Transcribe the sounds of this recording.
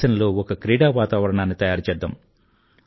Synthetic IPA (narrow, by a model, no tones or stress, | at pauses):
ɐnɐloːɔkɐkɾiːɽaːʋaːt̪aːʋɐɾɐɳaːnːit̪ɐjaːɾt͡ʃɛːd̪ːa̰m